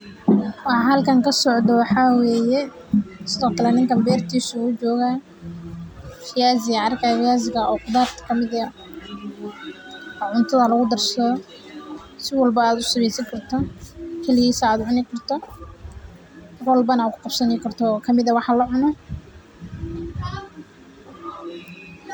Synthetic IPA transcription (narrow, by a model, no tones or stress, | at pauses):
wɑħɑɦɐlkʰɐŋkʰɐsɔʕd̪ɔwɑħɑwɛːjɛ | sɪðɔːkʰɐlɛnɪŋkʰɐmbɛːrt̪ʰiːsuːt͡ʃɔːɣaː | fɪjaːzɪɣɐɑrkʰafɪjaːzɪɣɐɔːqʊd̪aːrt̪kʰɐmɪð | ʕʊnt̪ʰɐðɐlɐɣʊd̪ɐrsɐðɔ | sɪwɑlbɐaːd̪ʊsɪβɛjsɐŋkʰɐrt̪ʰɔkʰɛlɪɣiːsaːd̪ʊʕʊnɪkʰɐrt̪ʰɔ | hɐrwɑlbɐnɐaːkʰʊ̥qɑb̥sɐnɪkʰɐrt̪ʰɔkʰɐmɪðɐwɑħɑlɐʕʊnɔ